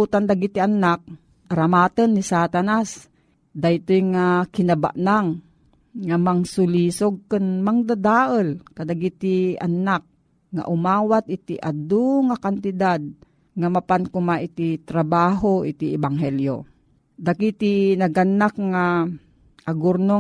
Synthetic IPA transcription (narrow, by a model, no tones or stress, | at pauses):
ut̪and̪aɡit̪iʔanak̚ | ʔaɾamaːt̪ənːisat̪anas | d̪ajt̪ojŋakɪnaba̰ʔnaŋ | ŋamaŋsʊlisoɡ̚kənmaŋd̪ad̪aːʔəlkad̪aɡit̪ia̰nak̚ | ŋa̰ʔʊmaːwat̪̚it̪iʔad̪uŋakant̪ɪd̪ad̪̚ | ŋamapankʊmaʔit̪it̪ɾabaːɦoit̪iɛbaŋɦɛljo̰ | d̪akit̪inaɡanak̚ŋa | ʔaɡʊɾno